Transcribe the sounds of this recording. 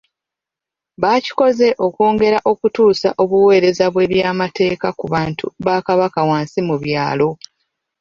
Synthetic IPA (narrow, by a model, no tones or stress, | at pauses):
βaci̥ko̞ze̞ʔo̞ko̞ːŋɡe̞ɾaʔo̞kutuːsaʔo̞βuwe̞ːɾe̞zaβwe̞βjaːmate̞ːkakuβaːntʰuβakaβakawaːnsimuβjaːlo̞